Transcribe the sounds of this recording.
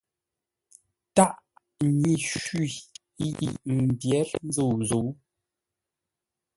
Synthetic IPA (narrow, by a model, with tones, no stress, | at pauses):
ta˦ʔ | ɲi˨ʃi˨˦ | jḭ˨ʔm̩˨bjɛ˨˦ɾn̩˦d͡zo˦˨zo˨˦